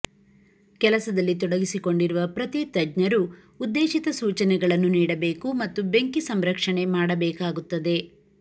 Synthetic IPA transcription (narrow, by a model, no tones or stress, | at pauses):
kɛlɐsɐd̪ɐlːit̪̬ɔɽɐɡisiko̞ɳɖiɾuʋɐpɾɐt̪it̪ɐd͡ʒɲɐɾuː | d̪ːeːʃit̪ɐsuːt͡ʃɐnɛɡɐɭɐnːuniːɽɐbe̞ːkumɐt̪ːubeŋkisɐmɾɐkʂɐɳe̞maːɽɐbɛːkaːɡut̪ːɐd̪e̞